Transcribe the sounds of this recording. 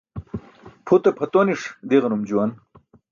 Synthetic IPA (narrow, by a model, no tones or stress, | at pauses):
pʰut̪ɐpʰɐt̪oniʂd̪eɣɐnumd͡ʑuwɐn